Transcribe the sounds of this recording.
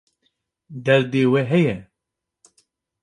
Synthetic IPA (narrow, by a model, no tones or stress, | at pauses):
d̪ɛld̪eːwɛɦɛjɛ